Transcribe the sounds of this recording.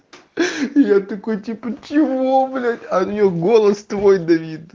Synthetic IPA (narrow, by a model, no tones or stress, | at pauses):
ɪjat̪ɐkojtʲipət͡ɕɪvoblʲatʲɐnʲɪjoɡo̞lˠəst̪vo̞jd̪ɐvʲit̪